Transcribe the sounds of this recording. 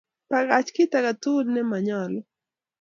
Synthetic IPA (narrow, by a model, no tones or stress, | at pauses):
paɡat͡ʃkɪt̪aɡat̪ulnɛmaɲɔl